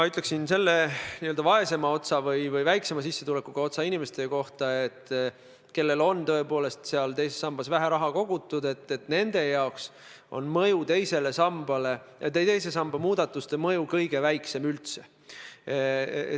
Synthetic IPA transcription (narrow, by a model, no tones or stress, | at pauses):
mɑyt̪leksinse̞lːeniøld̪̥ɑvɑe̞se̞mɑo̞t̪sɑvɤjvɤjvæjkse̞mɑsisːe̞t̪ulekːˑuɡ̥ɑo̞t̪sɑinʲime̞st̪e̞ko̞ht̪ɑet̪ˑː | ke̞lːe̞lo̞nt̪ɤe̞po̞ːle̞st̪seɑlt̪e̞jsesːɑmb̥ɑsvæɦæɾɑɦɑko̞ɡ̥ut̪ːˑud̪e̞t̪ːˑet̪ne̞nd̪̥e̞jɑoks | o̞̰nmɤjut̪e̞jse̞le̞sɑmb̥ɑle̞ʔet̪ːejt̪e̞jse̞sɑmb̥ɑmuːd̪̥ɑt̪ːˑust̪emɤjukɤjɡ̥e̞væjkse̞mylt̪se̞